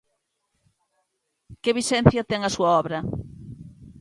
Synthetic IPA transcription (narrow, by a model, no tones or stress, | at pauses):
keβisɛn̟θjɐt̪ɛŋɐsuɐɔβɾɐ